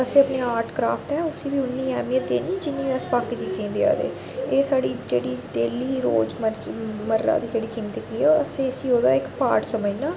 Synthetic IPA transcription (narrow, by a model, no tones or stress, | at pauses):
əsẽːpneːaːɾʈʰkɾaːpʰʈɛːʊsiːbiːʊnːiːɛːmijət̪̚d̪ḛːnĩːd͡ʒɪnːĩːəspaːkid͡ʒid͡ʒẽːd̪ea̰ːd̪ḛː | eːsaːɽiːd͡ʒeːɽiːɖeːliːɾo̰ːd͡ʒməɾməɾːa̰ːd̪iːd͡ʒeːɽiːkɪmt̪ekiːɛəsẽːəsiːoːd̪aːɪkpaːɾʈsəməiːnãː